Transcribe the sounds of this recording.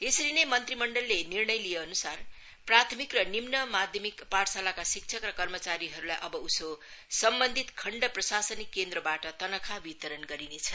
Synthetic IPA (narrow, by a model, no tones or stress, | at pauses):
esʌɾinejmʌnt̪rimʌɳɖʌlːenirɳʌjlijeʌnusar | prat̪ʰmikrʌnimnʌmad̪ʱjʌmikpaʈʰsalakasik̚t͡sʰʌkrʌkʌrmʌt͡saɾiɦʌɾulajʔʌbʌusosʌmbʌnd̪ʱit̪kʰʌɳɖʌprʌsasʌnikːend̪rʌbaʈʌt̪ʌnʌkʰabit̪ʌɾʌnɡʌɾinet͡sʰʌ